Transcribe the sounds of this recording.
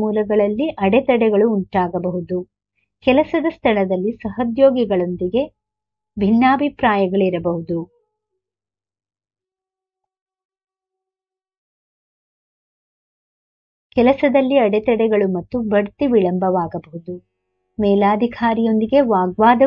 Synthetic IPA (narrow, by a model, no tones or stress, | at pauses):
muːlɐɡɐɭɐlːiʔɐɽɛt̪ɐɽɛɡɐɭuːuɳʈaːɡɐbɐɦud̪u | kɛlɐsɐd̪ɐst̪ʰɐɭɐd̪ɐlːisɐɦɐd̪joːɡiɡɐɭo̞nd̪iɡe̞ | bʱinːaːbʱipɾaːjɐɡɐɭiɾɐbɐɦud̪u | kɛlɐsɐd̪ɐlːiɐɽɛt̪ɐɽɛɡɐɭumɐt̪ːubɐɽt̪iʋiɭɐmbɐʋaːɡɐbɐɦud̪u | mɛːlaːd̪ʱikʰaːɾijo̞nd̪iɡe̞ʋaːɡʋaːd̪ɐ